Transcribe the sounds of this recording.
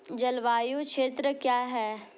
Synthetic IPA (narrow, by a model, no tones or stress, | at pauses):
d͡ʒɐlʋaːjukʃʰeːt̪ɾəkjaːɦɛː